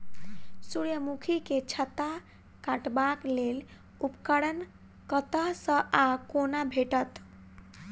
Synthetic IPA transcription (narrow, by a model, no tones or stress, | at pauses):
suɾjəmukʰiket͡ʃʰət̪a | kaʈbaklel | upkəɽən | kət̪əsə̃ʔakonabʱeʈət̪